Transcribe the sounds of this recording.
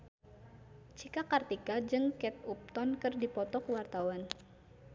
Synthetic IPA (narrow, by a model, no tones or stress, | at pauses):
t͡ʃikakart̪ikad͡ʒɨŋkɛt̪̚up̚t̪ɔnkɨrdipɔt̪ɔkəwart̪awan